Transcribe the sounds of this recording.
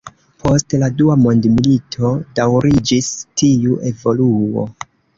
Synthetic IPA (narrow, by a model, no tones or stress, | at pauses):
pʰo̞stladuamo̞ndmilitʰo̞dawɾid͡ʒistʰiuʔe̞vo̞luo̰